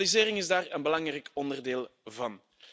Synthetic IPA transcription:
lizeːɾɪŋɪzdaːrənbəlɑŋrɛjkɔndərdeːlˠvɑn

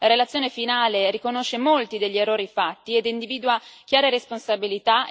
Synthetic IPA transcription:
laɾelat̪sːjoːnefinaːleɾikonoʃːemolt̪id̪eʎːierːoːɾifat̪ːied̪ind̪iviːd̪uwakʲjaːɾeɾesponsabilit̪a

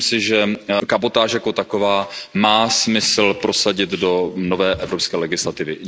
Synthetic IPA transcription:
msɪʒɛkabot̪aːʃjakot̪ako̞vaːmaːsmɪsl̩pɾo̞saɟɪd̪do̞no̞vɛːʔɛvɾopskɛːlɛɡɪslat̪ɪvɪ

